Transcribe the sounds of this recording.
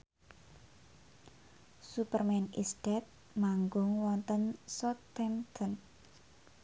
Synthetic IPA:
supərmɛnisd̥ɛt̪̚ | maŋɡʊŋwɔnt̪ənsɔt̪ɛmt̪ʰən

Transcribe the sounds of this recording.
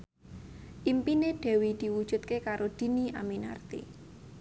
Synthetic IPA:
ʔimpineɖ̥e̤wid̪̥i̤wud̥ʒ̥ṳt̪̚kekaɾod̪̥i̤niʔa̰mina̰rt̪ḭ

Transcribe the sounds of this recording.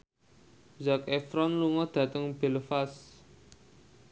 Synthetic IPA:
zakefɾɔnluŋɔd̪̥ä̤t̪əŋb̥e̤lfas

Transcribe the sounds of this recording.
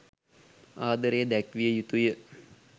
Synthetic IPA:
aːd̪əɾejəd̪ækʋijəjut̪ujə

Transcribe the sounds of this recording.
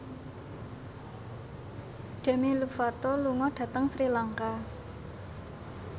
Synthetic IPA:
d̥ɛ̤milufat̪oluŋɔɖ̪̥ä̤t̪əŋsɾilaŋka

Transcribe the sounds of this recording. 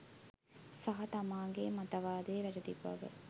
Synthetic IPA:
sɐɦɐt̪ɐmaːŋ̆ɡemɐt̪ɐʋaːd̪eːʋæɾɐt̪ibːɐ̰ʋə̰

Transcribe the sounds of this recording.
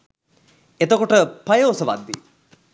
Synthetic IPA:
et̪əkoʈəpɐjoːsəʋa̰d̪ːi

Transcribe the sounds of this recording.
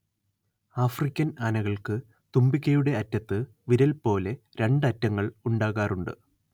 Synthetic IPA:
aːfrikʲːɐnaːnɐɣɐɭkɨ | t̪umbikʲːɐjuɽe̞ɐtːɐt̪ːɨ | ʋiɾɐlpo̞ːle̞ | ɾe̞ɳɖɐtːɐŋːɐɭuɳɖaːɣaːruɳɖɨ̰

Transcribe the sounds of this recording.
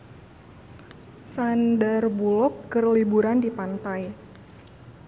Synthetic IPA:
sandarbulɔkːərlibuɾandipant̪aj

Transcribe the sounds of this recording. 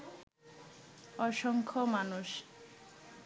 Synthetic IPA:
ɔʃɔŋkʰɔmanuʃ

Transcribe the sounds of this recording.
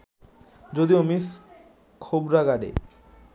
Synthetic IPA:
d͡ʑod̪iomis | kʰobɾaɡaɖḛ

